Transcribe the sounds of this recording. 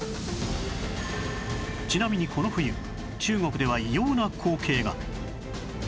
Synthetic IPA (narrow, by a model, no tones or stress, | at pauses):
t͡ɕinamʲiɲ̟ikʰo̞no̞ɸɯ̟jɯ̟ | t͡ɕɨːŋo̞kɯ̟d̪e̞β̞aijo̞ːnakʰo̞ːkʰe̞ːɡa